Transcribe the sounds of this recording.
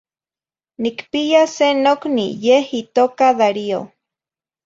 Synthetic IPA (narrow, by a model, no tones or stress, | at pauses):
nikpiasenoknḭjehit̪oːkaðaɾio